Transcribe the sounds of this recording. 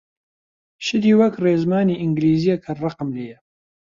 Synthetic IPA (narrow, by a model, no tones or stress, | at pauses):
ʃɪd̪iːwɐkreːzmaːniʔɨŋɡliːzijɛkʰɐrɑqəmleːjɛ